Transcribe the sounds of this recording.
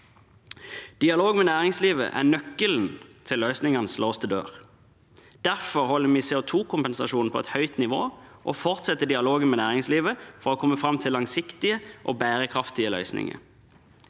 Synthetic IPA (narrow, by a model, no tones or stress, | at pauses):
d̪̥ɪɑloːɡmɛnæːʁɪŋsliːʋə̰ʔæ̰ːnœkəln̩t̪ʰɪlːœʏsnɪŋɑnəsloːst̪ʰəd̪ø̰ːʁ | d̪̥æʁfɔʁhɔlːəmiːseːʊt̪ʰuːkʰʊmpɛnsɑʃuːnpʰɔɛt̪hœʏt̪nɪʋoːʔoːfɔʁt̪sɛt̪ːəɖɪɑloːɡənmɛːnæːʁɪŋsliːʋəfɔʁoːkʰɔmːəfʁɑmt̪ʰɪlːɑŋsɪkt̪ɪəʔo̰ːbæːʁəkʰʁɑft̪ɪəlœ̰ʏsnɪ̰ŋə̰ɾ